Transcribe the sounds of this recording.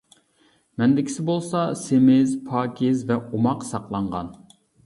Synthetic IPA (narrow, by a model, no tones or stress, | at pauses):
mɛnd̪ɪkʲi̥sɪbolˠsɑsemɪzpʰɑːkʲʰɪzvɛomɑqsɑqlˠɑɴʁɑ̰n